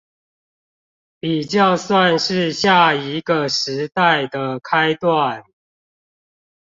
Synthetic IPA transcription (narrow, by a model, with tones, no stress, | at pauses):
pi˨˩t͡ɕjɑ˥˧ʊswa˥˨nʂɻ̩˥˧ɕja˥˩i˧˦ɡə˨ʂɻ̩˧˦˥t̪a˥˩ɪd̪ə˩kʰa˥˦ɪt̪wa˥˨n